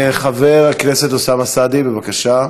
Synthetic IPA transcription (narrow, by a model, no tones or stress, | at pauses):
χaveʁakne̞set̪osamasad̪ibevakaʃa